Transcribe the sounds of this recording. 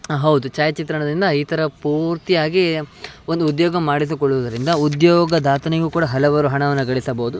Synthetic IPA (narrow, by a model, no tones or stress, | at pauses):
ɦɐwd̪ut͡ʃaːjɐt͡ʃit̪ɾɐɳɐd̪ind̪ɐiːt̪ʰɐɾɐpuːɾt̪ijaːɡiond̪uud̪jɔːɡɐmːaːɽis̬ikɔɭːuʋɐd̪ɐɾind̪ɐud̪jɔːɡɐd̪aːt̪ɐneɡukuːɽɐɦɐlɐʋɐɾuɦɐɳɐʋɐnːɐɡɐɭisɐbɐud̪u